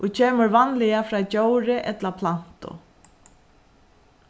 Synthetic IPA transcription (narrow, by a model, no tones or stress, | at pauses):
ʔʊcʰɛːməɾvanlɪjafɾaːt͡ɕowɾɪʔɛt̪lapʰlan̥t̪ʊ̰